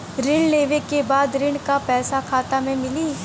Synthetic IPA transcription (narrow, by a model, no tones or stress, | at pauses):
ɾɪɳleːʋekebaːd̪ɾɪɳkapɛːsakʰaːt̪amẽmɪliː